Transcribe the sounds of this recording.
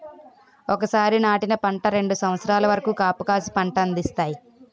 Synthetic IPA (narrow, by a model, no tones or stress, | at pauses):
ɔkɐsaːɾinaːʈinɐpɐɳʈɐɾe̞ɳɖusɐmʋɐt̪sɾaːlɐʋɐɾɐkuːkaːpukaːsipɐɳʈɐɐnd̪ist̪aːji